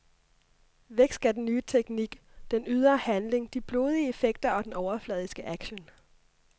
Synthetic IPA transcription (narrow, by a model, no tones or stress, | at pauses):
ʋeɡ̥sdɡ̥ædenːyːət͡sʰeɡ̥niɡ̥ | d̥enyð̞ˠɐhænle̝ŋd̥ib̥loːð̞ˠiəe̝feɡ̥̚d̥ɐɒ̽d̥enɒʊɐflɛð̞ˠisɡ̥əʔæɡ̥ɕən